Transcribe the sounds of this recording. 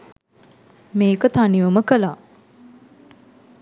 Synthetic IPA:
meːkət̪aniʋəməkəla

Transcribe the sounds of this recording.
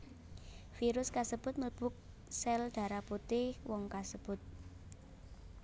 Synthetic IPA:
fiɾʊskasəb̥ʊ̤t̪̚məlb̥ʊ̤k̚ | sɛld̪̥a̤ɾaput̪ɪhwɔŋkasəb̥ʊt̪̚

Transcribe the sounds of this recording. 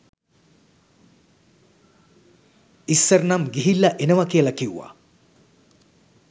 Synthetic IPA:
isːəɾnamɡiɦilːɐʔenəʋakijəlɐkiuʋa̰

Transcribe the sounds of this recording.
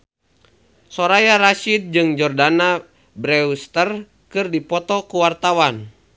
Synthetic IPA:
sɔɾajaɾaʃid̪̚d͡ʒɨŋd͡ʒɔrdana | bɾɛust̪ər | kɨrdipɔt̪ɔkuwart̪awan

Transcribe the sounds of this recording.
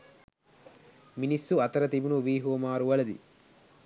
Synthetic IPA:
minisːuɐt̪ɐɾɐt̪ibunuʋiːɦoːmaːɾuʋɐlɐd̪ḭ

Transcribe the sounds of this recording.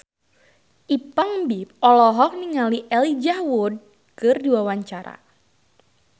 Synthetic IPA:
ʔipaŋbip̚ɔlɔɦɔk̚niŋaliʔɛlid͡ʒawud̚ | kɨrdiwawaɲt͡ʃaɾa̰

